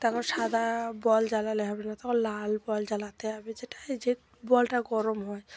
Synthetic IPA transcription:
t̪akʰonʃad̪ʱabɔld͡ʑalaleɦɔbenat̪akʰonlalbɔld͡ʑalat̪eɦabed͡ʑeʈḁd͡ʑe | bɔlʈaɡɔɾomɦɔe

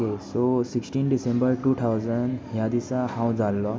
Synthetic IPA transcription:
kesosiksʈinɖisẽmbəɾʈut̪ʰawzənɦjad̪isãhãw̃d͡zalːɔ

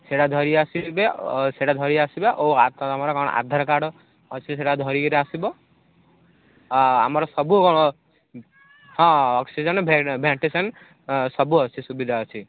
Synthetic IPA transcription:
seɽad̪ʱɔɾiasibeseɽad̪ʱɔɾiasibaʔoat̪amɔɾɔkɔɽ̰̃ʔa̰d̪ʱaɾɔkaɽɔː | t͡ʃʰiseɽad̪ʱɔɾiɔɾeasibɔ | amɔɾɔsɔbukɔɽ̃ɔ | hɔ̃ːksid͡ʒɔnbbʱaɳʈisɔn | sɔbuɔt͡ʃʰisubid̪ʱaɔt͡ʃʰi

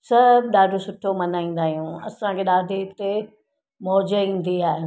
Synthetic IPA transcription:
sɐbʱɗaːɖʱosʊʈʰomɐnaːĩːn̆d̪aːɦijũɐsãkʰeɗaːd̪ʱet̪e | mɔːd͡ʑəĩːn̆d̪iaːɦe

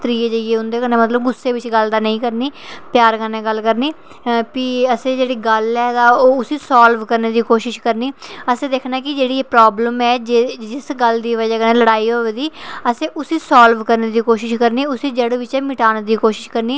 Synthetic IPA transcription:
t̪ɾiːeːd͡ʒəieːɦʊ̃nd̪eːkəneːmət̪ləbɡʊsːeːʋɪt͡ʃɡəld̪aːnə̃ĩːkəɾniːpjaːɾkənːeːɡəlkəɾniː | piəsẽːd͡ʒeːɽiːɡəlɛːt̪aːoːʊsiːsaːlʋkəɾneːd̪iːkoːʃɪʃkəɾniːəsẽːd̪eːkʰnaːkɪd͡ʒeːɽiːepɾaːbləmɛːd͡ʒd͡ʒɪsɡəld̪iːʋəd͡ʒaːkənẽːləɽaːiːɦoːʋeːd̪iːəsẽːʔʊsiːsaːlʋkəɾneːd̪iːkoːʃɪʃkəɾniːʊsiːd͡ʒəɽʋɪt͡ʃɛːmɪʈaːnːd̪iːkoːʃɪ̥ʃkəɾniː

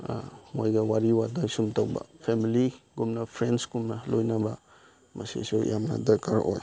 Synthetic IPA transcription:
mojɡɐwaɾiwadajsumtɐwbɐ̰pʰemiliɡumnɐpʰɾensɡumnɐlojnɐbɐ | mɐsḭsujamnɐ̰dɐkʰaɾo̰j

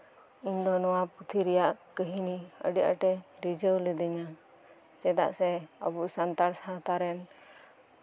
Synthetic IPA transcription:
iɲd̪ɔnɔwaput̪ʰiɾɛjaʔkəɦiniə̰ɖija̰ʈɛɾid͡ʒəwlɛd̪iɲa | t͡ʃɛd̪a̰ʔsɛə̰buʔsant̪aɽsat̪aɾɛn

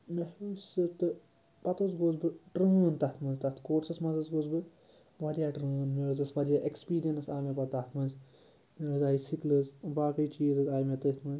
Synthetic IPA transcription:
mehuːsɨt̪ɨ | pɐt̪osɡoːzbɨʈɾəːnt̪ɐt̪ʰmɐnzʲt̪ɐt̪ʰkoːʈsɐsmɐzɐsɡoːzbɨ | ʋaɾijaːʈɾəːnmeɾɨzɨsʋɐɾijaʔekspiːɾijɐnɨsaːmepɐt̪ɐt̪ʰmɐnz | meɾɨzaːisiklɨzbaːkɐit͡ʃiːzɨzaːjmet̪ɐt̪mɐz

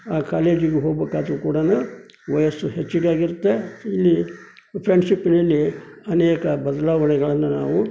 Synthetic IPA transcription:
aːkaːleːd͡ʒiɡeɦoːɡbeːkːaːd̪ɾukuːɽanu | ʋɐjɐsuɦet͡ʃːiɽaːɡiɾt̪ːeilːi | pʰɾeɳɖʂipːinɐlːiɐneːkɐbɐd̪laːʋɐɳɛɡɐɭɐnːɐnaːʋu

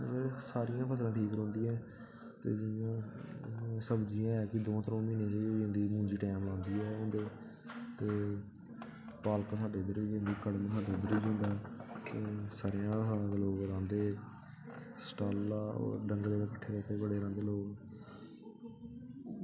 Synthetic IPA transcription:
esaːɾɪjãːpʰəs̬lãːʈʰiːkɾõːnd̪iːɛ̃ː | t̪ḛːd͡ʒɪjõː | səbd͡ʒiːãːɛːkɪd̪õːt̪ɾõːmiːneːseːõːnd̪iːmʊ̃ːɲd͡ʒiːʈɛːmlãːnd̪iːɦɛːɦʊ̃nd̪eː | t̪eː | paːlksaːɖeːb̪əɾd͡ʒẽːnd̪iːkəɽmẽːsaːɖeːb̪əɾiːd͡ʒɦʊ̃ːnd̪aːɛt̪eːsaːɾjãːsaːãːd̪eːloːɡɾãːnd̪eː | sʈaːlːaːɔ̰ːɾɖəŋɡleːaːkəʈʰːeːɾɛːt̪eːbəɽeːɾãːnd̪eːloːɡ

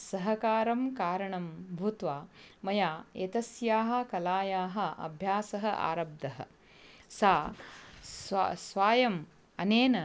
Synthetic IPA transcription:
sɐɦɐkaːɾɐmkaːɾɐɳɐmbʱut̪ʋaːmɐjaːet̪ɐsjaːɦɐ̆kɐlaːjaːɦɐ̆ʔɐ̰bʱjaːsɐɦɐ̆ʔa̰ːɾɐb̚d̪ɐɦɐ̰̆ | saː | ssʋaːjɐm | ɐneːnɐ

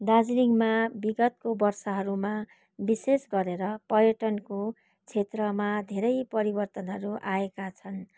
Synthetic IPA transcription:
d̪ad͡zliŋmabiɡʌt̪̚kobʌrsʌɦʌɾuma | bisesɡʌɾeɾʌpʌrjʌʈʌnko | t͡sʰet̪rʌmad̪ʱeɾʌjpʌɾibʌrt̪ʌnɦʌɾuʔaekat͡sʰʌn

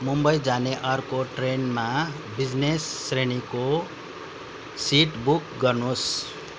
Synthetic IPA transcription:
mumbʌjd͡zaneʔʌrkoʈrenma | bid͡znesːreniko | siʈbukɡʌrnus

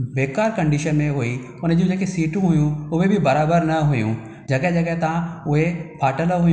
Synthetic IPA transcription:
ʋeːkaːɾkɐ̃ɳɖiːʃənmẽɦui | ʊnəd͡ʑũd͡ʑeːkesiːʈũɦʊjũʊʋebʱibɐɾaːbəɾnɐɦujṵ̃ | d͡ʑɐked͡ʑɐːkɐt̪ɐãʊɦepʰaːʈəlɦʊj

